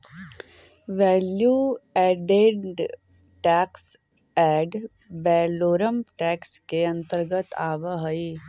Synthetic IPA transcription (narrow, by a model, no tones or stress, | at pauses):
ʋɛːljuɛːɖeɖ | ʈɛːks | ɛːɖ | bɛːloːɾəmʈɛːkskeɐ̃nt̪əɾɡət̪aːʋəɦɐi